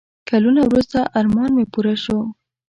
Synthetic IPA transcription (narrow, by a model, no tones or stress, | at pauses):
kalunawɾust̪aʔaɾmɑnmepuɾaʃo